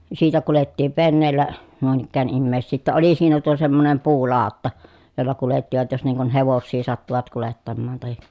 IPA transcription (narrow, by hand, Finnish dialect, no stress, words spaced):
siːtæ kuletːiːʋ ʋenːeːlːæ nuin ikːæːn imːeˑi̯sːiː tːæ oli siːnæ tuo semːonem puːlɑˑotːɑ jolːɑ kuletːiʋɑt jos niːŋ kun heʋosːiː sɑtːuʋɑt kuletːɑmːɑːn tɑhi